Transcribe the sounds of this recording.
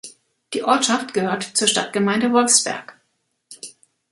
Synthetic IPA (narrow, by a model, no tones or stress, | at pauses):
d̥iːʔɔɐtʃaftɡ̥əhøːɐtt͡suːɐʃta̰t̚ɡ̥əmaɪndəvɔlfsb̥ɛ̰ɐk